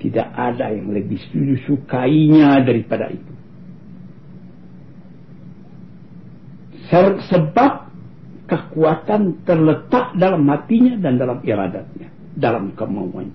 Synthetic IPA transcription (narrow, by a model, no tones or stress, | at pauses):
t̪ida̰ʔadajaŋləbɪhst̪ud͡ʒusukaiɲadaɾipada̰ʔḭt̪u̥ | səsəbap̚ | kəkuat̪ant̪ərlət̪aʔdalamhat̪iɲadandalamiɾa̰dat̪̚ɲa | dalamkəma̰wa̰na